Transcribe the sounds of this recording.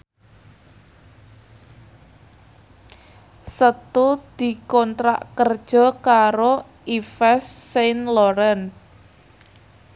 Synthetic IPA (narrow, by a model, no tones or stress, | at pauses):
sət̪ud̪̥i̤kɔnt̪ɾa̰ʔkərd̥ʒ̥ɔ̤kaɾo | ʔifɛsːenlɔɾən